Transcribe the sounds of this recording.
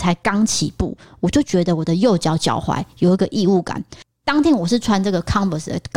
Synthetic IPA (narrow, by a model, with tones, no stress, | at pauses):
t͡sʰa˧˥ɪkɑ˥ŋt͡ɕʰḭ˨˦pṵ˥˩wɔ˨˩t͡ɕjo˥˩ʊt͡ɕɥɛ˧˥d̪ə˧˨wɔ˨˩d̪ə˦jo˥˩ʊt͡ɕjɑ˨˥ʊt͡ɕjɑ̰˨˩ʊxwa̰˧˥ɪjo˨˩ʊi˧˥ɡə˨ʔi˥˧u˥˩ka̰˨˩˦n | t̪ɑ˥ŋt̪ʰjɛ˧˥nwɔ˨˩ʂɻ̩˥˩ʈ͡ʂʰwa˧˥nʈ͡ʂɤ˥˩ɡə˩kʰɑ˥ŋbə˨sd̪ə̰˦k